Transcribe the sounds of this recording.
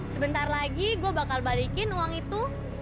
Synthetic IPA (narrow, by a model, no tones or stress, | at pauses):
səbənt̪arlaɡiɡuabakalbalikɪnuwaŋit̪u